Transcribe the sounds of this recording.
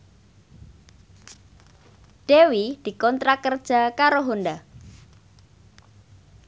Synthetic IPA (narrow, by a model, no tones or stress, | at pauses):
ɖ̥ewid̪̥i̤kɔnt̪ɾakərd̥ʒ̥a̤kaɾoɦunda